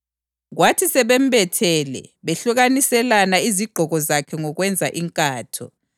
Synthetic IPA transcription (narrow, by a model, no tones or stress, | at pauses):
ɣwatʰisɛβem̩bɛtʰɛlɛ̰βeɬuɣanisɛlanaiziɡ͡ǃʱɔɣɔzakʰɛŋɔɣwɛnd͡zʱaʔiŋkʼaːtʰɔ̰